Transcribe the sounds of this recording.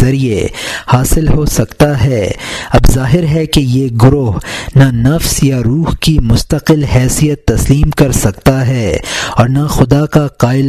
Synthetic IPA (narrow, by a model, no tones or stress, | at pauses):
ɐɾiehaːsɪlɦosɐkt̪aɦɛːɐbzaːɦɪɾɦɛkejeɡʊɾoːɦnanɐfsjaɾuːɦkimʊst̪əqɪlɦɛːsijət̪ːɐsliːmkɐɾsɐkt̪aɦɛːɔːɾnaxʊd̪akaqaːɪl